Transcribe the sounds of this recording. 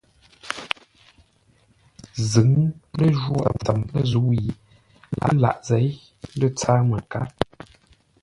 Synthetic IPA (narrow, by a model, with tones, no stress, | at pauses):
zɨ˨˦ŋlə˦˨ʒwu˦a̰˨p͡fə˨mnə˦zu˨˦ji˨ | lʔa̰˨˦la̰˨ʔzɛ˨˦j | lə˦t͡sa˦mə˨ka˨˦